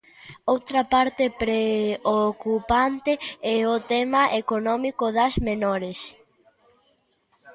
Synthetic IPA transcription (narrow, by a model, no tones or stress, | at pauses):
owt̪ɾɐpaɾt̪epɾeokupant̪eɛʊt̪ɛmɐʔekonɔmikoðɐzmenɔɾes